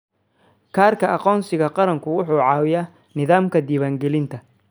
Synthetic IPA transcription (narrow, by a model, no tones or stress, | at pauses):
kʰaːrkʰɐʔɑqɔːnsɪɣɐqɑɾɐŋkʰʊwʊħuːʕɑːwɪjaː | nɪðaːmkʰɐd̪iːβaːŋɡɛlɪnt̪ʰɐ